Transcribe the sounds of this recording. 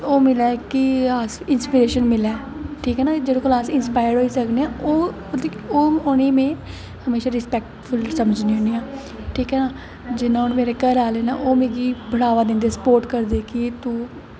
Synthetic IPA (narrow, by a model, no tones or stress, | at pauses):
oːmɪlɛːkɪaːsɪnspiːɾeːʃənmɪlɛːʈʰiːkɦɛːnaːd͡ʒeɽõːklaːsɪnspaːjəɽɦoːiːsəkneːãːʔoː | oːʊnĩːmẽː | həmeːʃaːɾɪspɛːk̚ʈfʰʊlsəməd͡ʒniːɦʊ̃niːaː | ʈʰiːkɦɛːnaː | d͡ʒɪnãːʊnmeːɾeːkəɾaːleːna̰ːʔoːmẽːɡiːbəɽaːʋaːd̪ɪ̃nd̪eːsəpoːɾʈkəɾd̪eːkɪt̪uː